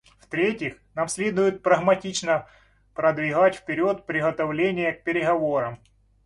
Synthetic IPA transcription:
ft̪ɾʲetʲɪxnamsʲlʲed̪ʊjʊt̪̚pɾɐɣmɐtʲit͡ɕnə | pɾɐd̪vʲɪɣatʲfpʲɪɾʲot̪̚pɾʲɪɣɐt̪ɐvlʲenʲɪjək̚pʲɪɾʲɪɣɐvo̞ɾɐm

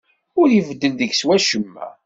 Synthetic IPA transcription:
ʊɾjəvəd̪ːənðəɡswæʃəmːæ̰

